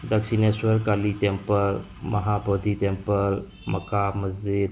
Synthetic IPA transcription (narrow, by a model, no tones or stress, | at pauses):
d̪əkʃineswəɾkalit̪empəɾ | mɐɦabod̪ʱit̪ẽmpəɾ | mɐkaməzd͡ʒid̪